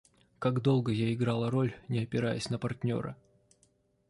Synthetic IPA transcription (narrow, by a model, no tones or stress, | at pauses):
kaɡd̪o̞lˠɡəjaɪɡɾalˠəɾo̞lʲnʲɪɐpʲɪɾajɪsʲnəpɐrtʲnʲo̞̰ɾə̰